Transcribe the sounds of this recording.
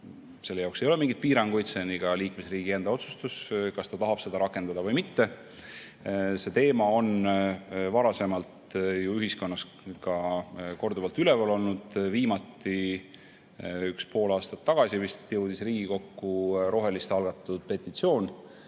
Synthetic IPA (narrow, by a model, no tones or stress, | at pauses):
se̞lːejɑwksejo̞lemiŋɡit̪̚piːɾɑŋɡ̥ujt̪seniɡ̥ɑliːkme̞sriːɡ̥ie̞nd̪̥ɑo̞t̪su̥st̪uskɑst̪ɑt̪ɑɦɑb̥se̞d̪ɑɾɑkːˑe̞nd̪̥ɑd̪ɑvɤjmit̪ːe̞ | se̞t̪e̞ːmɑo̞n | vɑɾɑse̞mɑlt̪juyɦisko̞nːɑs | kɑko̞rd̪uvɑlt̪ylɛvɑlo̞lnud̪̥viːmɑt̪ˑːi | ykspo̞ːlɑːst̪ɑ̥t̪ːɑɡ̥ɑsivist̪jəwd̪̥isriːɡiko̞kːuɾo̞ɦe̞list̪ɑlɡ̥ɑt̪ːˑud̪̥̚pe̞t̪ːˑit̪sio̞ːn